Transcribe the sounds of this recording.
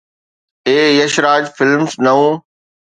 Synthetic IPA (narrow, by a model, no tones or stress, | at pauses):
eːjɐʃɾaːd͡ʑfɪlmsnɐũː